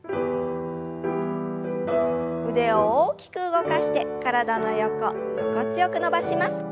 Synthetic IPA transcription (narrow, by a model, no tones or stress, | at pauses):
ɯ̟d̪e̞ooːkʲi̥kɯ̟ɯɡo̞kaɕi̥t̪e̞kaɾad̪ano̞jo̞ko | jokot͡sɨjo̞kɯno̞baɕimasɨ̥